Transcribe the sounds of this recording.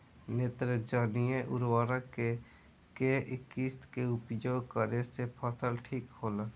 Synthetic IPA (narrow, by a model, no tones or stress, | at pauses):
neːt̪ɾəd͡ʒaːnijeʔʊɾwaːɾake | keʔɪkiːst̪keʊpjoːɡkəɾesepʰasəlʈʰiːkhoːlaː